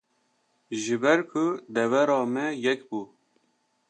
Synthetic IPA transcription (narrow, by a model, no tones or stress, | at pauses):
ʒɨbɛɾkʰʊd̪ɛvɛɾɑːmɛjɛkbuː